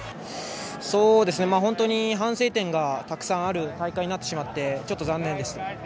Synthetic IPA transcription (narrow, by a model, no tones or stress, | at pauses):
so̞ːd̪e̞sɨne̞maːɦõ̞nt̪o̞ɲ̟iɦãse̞ːt̪ẽ̞ŋɡat̪akɯ̟̥sãɰ̃aɾɯ̟t̪aikaiɲ̟inat̪ːe̞ɕimat̪ːe̞t͡ɕo̞t̪ːo̞zãnːẽnd̪e̞sɨ̥